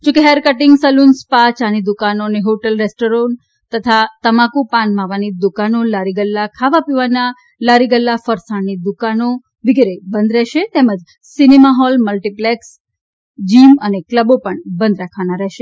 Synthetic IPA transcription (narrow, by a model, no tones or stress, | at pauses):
d͡ʒõkeɦeɾkəʈɪŋɡsəlunspat͡ʃanid̪ukanoneɦoʈəlɾesʈoɾon | t̪ət̪ʰat̪əmakupanmãʋanid̪ukanolaɾiɡəlːakʰaʋapiʋana | laɾiɡəlːafəɾsaɳnid̪ukano | ʋiɡɾebənd̪ɾɛɦʃet̪ɛməd͡ʒ | sinemaɦɔlməlʈipleks | d͡ʒimənekləbopəɳbənd̪ɾakʰʋanaɾɛɦʃe